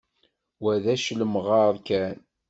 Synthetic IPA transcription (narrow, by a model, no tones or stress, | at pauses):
wæðæʃləmʁɑɾˤkæn